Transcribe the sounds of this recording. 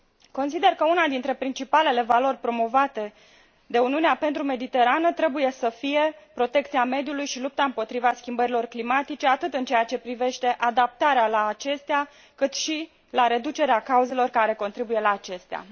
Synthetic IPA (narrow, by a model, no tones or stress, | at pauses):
ko̞nsid̪e̞rkəunad̪int̪ɾe̞pɾint͡ʃipale̞le̞valo̞rʲpɾo̞mo̞vat̪e̞ | d̪e̞uniuneape̞nt̪ɾume̞d̪it̪e̞ɾanət̪ɾe̞buje̞səfije̞pɾo̞t̪e̞kt̪siame̞d̪julujʃilup̚t̪aɨmpo̞t̪ɾivaskʲimbəɾilo̞rklimat̪it͡ʃe̞at̪ɨt̪ɨnt͡ʃejat͡ʃe̞pɾive̞ʃt̪e̞ʔad̪ap̚t̪aɾealaːt͡ʃe̞st̪ea | kɨt̪ʃi | laɾe̞d̪ut͡ʃe̞ɾeakauze̞lo̞rkaɾe̞ko̞nt̪ɾibuje̞laːt͡ʃe̞st̪ea̰